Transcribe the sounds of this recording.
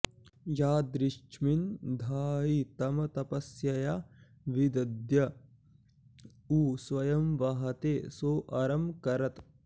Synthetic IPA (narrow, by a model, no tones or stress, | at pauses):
jaːd̪ɾɪʃt͡ʃʰmind̪ʱaːɦit̪ɐmɐt̪ɐpɐsjɐjaː | ʋid̪ɐd̪jɐ | uːsʋɐjɐmʋɐɦɐt̪eːsoːʔɐɾɐmkɐɾɐt̪